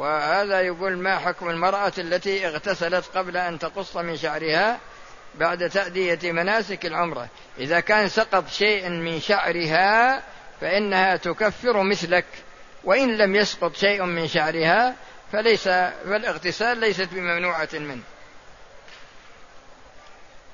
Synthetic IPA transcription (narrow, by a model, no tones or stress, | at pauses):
wɪhaːðajaɡuːlmaħʊkmɪlmɑɾˤʔɑalːat̪iʔɪɣt̪asalat̪qɑblaʔant̪ɑqʊsˤːɑmɪnʃaʕɾɪha | baʕd̪t̪aʔd̪ɪjamanaːsɪkɪlʕʊmɾˤɑ̰ | ʔɪðakaːnsɑqɑt̪ˤʃeːʔmɪnʃaʕɾɪɦa | faʔɪnːahat̪ʊkafːɪɾmɪθlak | wɪʔɪnlamjɑsqʊt̪ˤʃaːʔmɪnʃaʕɾɪhafalajsafɪlʔɪɣt̪ɪsaːlːajsat̪bɪmamnuːʕamɪnh